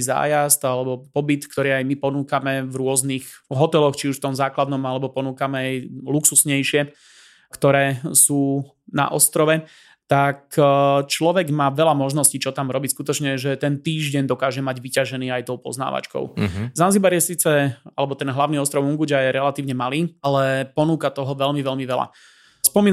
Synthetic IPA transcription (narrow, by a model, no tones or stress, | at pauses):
za̰ːjast̪alɛbɔpɔbit̪kt̪ɔɾiːajmipɔnuːkamɛvɾʊɔznixɦɔt̪ɛlɔxt͡ʃiuʃft̪ɔmzaːklad̪nɔmalɛbɔpɔnuːkamɛajluksusɲɛjʃɪɛ | kt̪ɔɾɛːsuː | na̰ʔɔst̪ɾɔʋɛ | t̪akt͡ʃlɔʋɛɡmaːʋɛlamɔʒnɔscit͡ʃɔt̪amɾɔbicskut̪ɔt͡ʃɲɛʒɛt̪ɛnt̪iːʒɟɛɲd̪ɔkaːʒɛmaɟʋicaʒɛniːajt̪ɔʊpɔ̰zna̰ːʋa̰t͡ʃkɔ̰ʊzanzibaɾjɛsiːt͡sɛalɛbɔt̪ɛnɦlaʊniːɔst̪ɾɔʊuŋɡuɟajɛɾɛlat̪iːʊɲɛmaliːalɛpɔnuːkat̪ɔɦɔʋɛlmiʋɛlmiʋɛla̰ | spɔmiːn